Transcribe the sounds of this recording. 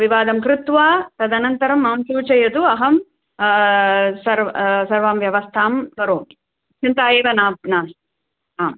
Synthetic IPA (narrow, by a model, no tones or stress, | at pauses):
ʋiʋaːd̪ɐmkɾɪt̪ʋaːt̪ɐd̪ɐnɐnt̪ɐɾɐmːaːmsuːt͡ʃɐjɐd̪uɐɦɐm | sɐɾʋsɐɾʋaːmʋjɐʋɐst̪ʰaːmkɐɾoːm | t͡ʃint̪aːeːʋɐnaːbnaːs | aːm